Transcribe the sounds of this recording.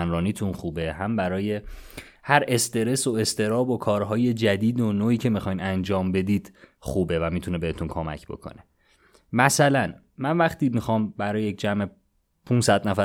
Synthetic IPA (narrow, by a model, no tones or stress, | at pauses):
ænɾɒːniːt̪ʰunxuːbe̞hæmbæɾɒːje̞ | hæɾe̞st̪ʰe̞ɾe̞so̞e̞st̪ʰe̞ɾɒːbo̞kʰɒːɾɦɒːje̞d͡ʒæd̪iːd̪onoːiːcʰe̞mixɒjnænd͡ʒɒːmbe̞d̪iːd̪̥xuːbe̞væmit̪ʰunebeet̪ʰunkʰomæ̰cʰbo̞̰kʰo̞̰ne̞ | mæsælæn | mænvæχt̪ʰiːmixɒːmbæɾɒːjejec̚d͡ʒæme | pʰunsæd̪næfæ